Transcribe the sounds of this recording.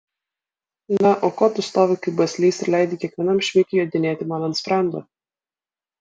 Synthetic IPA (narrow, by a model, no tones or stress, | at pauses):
nɐʔoːkoːt̪ʊst̪oːʋʲɪkɐɪbɐsʲlʲiːsɪɾlʲæˑɪd̪ʲɪkʲiɛkʋʲɛnɐmʃʲʋʲɪkʲɪjoːd̪ʲɪnʲeːt̪ʲɪmɑːnɐnspɾɑˑnd̪o̰ː